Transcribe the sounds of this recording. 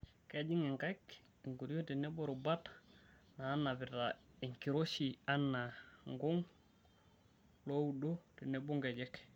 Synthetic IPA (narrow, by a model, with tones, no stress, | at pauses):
ke˦d͡ʒi˦ŋe˨ŋka˦k | i˨ŋɡu˨ɾjo˦ti˨ne˦bo˦ɾu˨ba˦t | naː˨˦nːa˨bi˨ta˨i˨ŋki˨ɾo˦si˨a˦nːa˨ŋɡu˦ŋ | lo˦wu˦do˦ti˨ne˦bu˦ŋɡe˨d͡ʒɛ˦k